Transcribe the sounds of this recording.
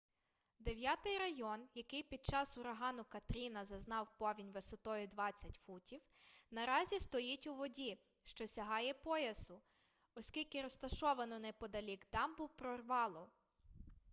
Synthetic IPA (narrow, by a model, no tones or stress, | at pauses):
d̪eʋʲjat̪ɪjɾɐjɔnjɐkɪjpʲid̪̚t͡ʃɑsʊɾɐɦɑnʊkɐt̪ɾʲinɐzɐznɑwpɔʋʲinʲʋesɔt̪ɔjʊd̪ʋɑt͡sʲːɐtʲfutʲiwnɐɾɑzʲist̪ɔjitʲʊʋɔdʲi | ʃt͡ʃɔsʲɐɦɑjɛpɔjɐsʊ | ɔsʲkʲilʲkɪɾɔst̪ɐʃɔʋɐnɔnɛpɔd̪ɐlʲikt̪ɑmbuwpɾɔrʋɑlˠɔ